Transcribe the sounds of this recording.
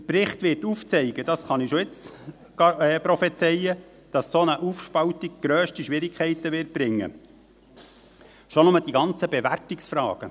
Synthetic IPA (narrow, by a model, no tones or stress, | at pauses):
pɾɪχtʋɪrtuːft͡sɛɪɡ̥əd̥ɑsχɑniʃoɪt͡s | ɑɛːpɾɔfɛt͡sɛjə | d̥ɑsːonəʔufʃpɑwtiɡ̥̚ɡ̥ɾøːʃtiʃʋɪɾikʰχɛɪtəʋɪɾt̚b̥ɾɪŋːə̰ | ʃonʊməd̥iɡɑnt͡səbeʋæɾtɪksfɾɑ̰ːɡ̥ə